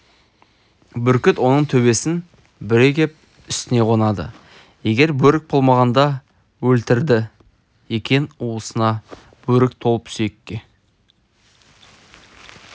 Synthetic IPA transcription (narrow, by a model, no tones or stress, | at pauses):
bʏɾkʲɪt̪wo̞nəɴt̪ʰɵβe̞sɪn | bɪɾe̞kʲe̞p̚ | ʏst̪ɪne̞qʰonɑd̪ə̰ | je̞ɡʲe̞ɾbɵɾɪk̚bo̞lˠmɑʁɑnd̪ɑ | wɵlt̪ɪɾd̪ɪ | je̞kʲe̞nuəsənɑ | b̥ɵɾɪk̚t̪ʰo̞lˠəp̪sejkʲːe